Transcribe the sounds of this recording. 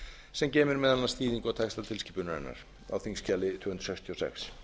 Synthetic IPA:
sɛmcɛːmɪɾmɛðanːḁst̪iːðiŋkawt̪ʰɛjkst̪alt̪ʰɪlciːpʏnaɾɛ̰nːa̰ɾ̥ | a̰wθiŋscaːlɪt̪ʰvʏːhʏnt̪ɾ̥sɛkst̪ʰiɔsɛ̰xs

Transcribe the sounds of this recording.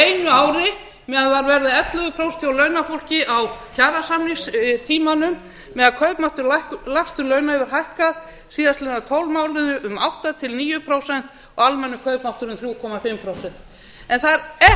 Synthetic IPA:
ejnʏaːwɾɪ | mɛːðaðvaɾvɛɾðaɛt̪lʏɣʏpʰɾowst̪ʰjawlœɥnafowl̥cɪʔawçaːɾasamniŋst̪ʰiːmanʏmː | ɛːðakʰœɥpmawht̪ʏɾlahklast̪ʏɾlœːɥnaɛvɪɾ̥ɦajhkað | siːðast̪ɛnat̪ʰɔwlmaːwlɪðʏʔʏmawht̪at̪ʰɪlniːjʏpʰɾowsɛn̥t̪ | ɔɣalmɛnːʏkʰœɥpmawht̪ʏɾʏmθɾjuːkʰɔmafɪmpʰɾowsɛn̥t̪ | ɛnθaðɾɛ

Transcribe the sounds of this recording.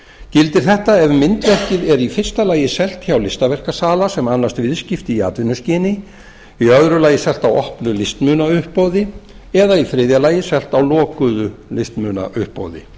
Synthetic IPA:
cɪlt̪ɪɾ̥θɛht̪aɛvmɪnt̪vɛr̥cɪðɛɾifɪr̥st̪alaːjɪsɛl̥t̪çawlɪst̪avɛr̥kasaːlasɛmanːast̪vɪðscɪft̪ɪia̰ːt̪vɪnːʏscɪːnɪ | iœðɾʏlaːjɪsɛl̥t̪awɔhpnʏlɪst̪mʏːnaʏhpːoːwðɪ | ɛðaifɾɪːðjalaːjɪsɛl̥t̪awlɔːkʏðʏlɪst̪mʏːna̰ʔʏhpːo̰ːwðɪ̰

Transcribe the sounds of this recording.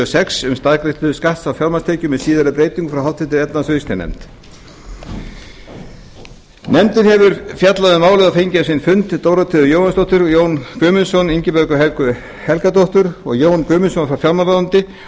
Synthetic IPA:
sɛksʏmst̪aðkɾɪht̪ʏðʏskaht̪sawfjaɾmanst̪ʰeːcʏmɛðsiːðaɾɪpɾeːjt̪iŋkfɾawɦalt̪fɪt̪ɪɾɛt̪nasœðst̪ɛnɛ̰mt̪ | nɛmt̪ɪnɦɛvʏɾ̥fjat̪laðʏmaːwlɪɣðafejɲcasɪnfʏnt̪t̪oːwɾat̪ʰɪðʏjoːwhanst̪ɔht̪ʏɾjoːwnkʏːmʏnsɔniɲcɪpœɾkʏɦɛkʏ | hɛlkat̪ɔht̪ʏɾɔ̰ɣjoːwnkʏːmʏnsɔnfɾawfjaɾmalaðant̪ɪ

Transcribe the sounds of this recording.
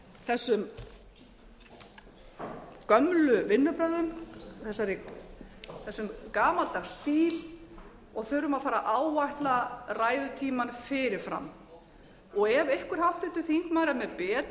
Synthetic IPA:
θɛsːʏm | kœmlʏvɪnːʏpɾaðʏmθɛsːaɾɪ | θɛsːʏmkaːmalt̪ast̪iːl | ɔɣθʏɾʏmaðfaːɾaʔaːwvajht̪laraːjðʏt̪ʰiːmanfɪɾɪɾ̥fɾa̰m | ɔɣɛvejhkʏɾ̥hawht̪ɪht̪ʏθiŋ̥kmaːɾamɛðpɛːt̪

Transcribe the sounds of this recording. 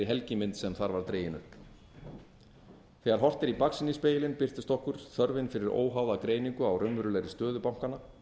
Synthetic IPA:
ɪɦɛlcɪmɪnt̪sɛmθaɾvaɾt̪ɾeːjɪnʏ̰hp | θɛːɣaɾ̥ɦɔr̥t̪ɪɾipaksɪnispeːjɪlɪnpɪr̥t̪ɪ̥st̪ɔhkʏɾ̥θœɾvɪnfɪɾɪɾo̰ːwɦaːwðakɾeːjniŋkʏawrœɥmɾʏlɛɾɪst̪œːðʏpawm̥kanːa

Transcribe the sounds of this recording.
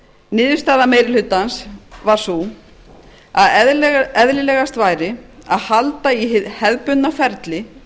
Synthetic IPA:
nɪːðɪ̥ɾst̪aːðameːjɾɪlʏt̪ːansvaɾ̥su | aðɛɛðlɪlɛːɣast̪vaːjɾɪaðhalt̪aihhɛðpʏnnːafɛɾt̪lɪ

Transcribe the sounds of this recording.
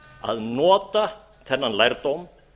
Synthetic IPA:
a̰ðnɔːt̪a | θɛnːanlajɾt̪owm

